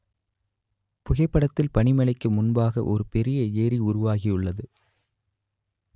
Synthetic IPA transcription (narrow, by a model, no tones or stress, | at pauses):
pʊɣɐɪpːɐɽɐt̪ːɪlpɐɳɪmɐlɐɪkːɯmʊnbaːɣɐʔɔɾɯpɛɾɪjɐeːɾiʊɾʊʋaːɣijʊɭːɐðɯ